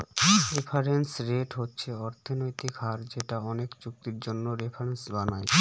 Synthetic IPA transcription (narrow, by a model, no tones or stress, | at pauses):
ɾepʰaɾensɾeʈɦotːɕʰeɔɾt̪ʰonojt̪ikɦaɾd͡ʑeʈaɔnekd͡ʑuk̚t̪iɾd͡ʑonːoɾepʰaɾensbanae